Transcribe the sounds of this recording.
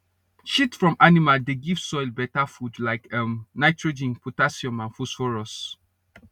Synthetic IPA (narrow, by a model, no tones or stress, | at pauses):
ʃitfɹɔ̃mʔanimaldeɡiv̥sɔɪlbɛtafudlaɪkamnaɪtɹod͡ʒĩnpʰotasiɔ̃mãnfusfɔɹɔs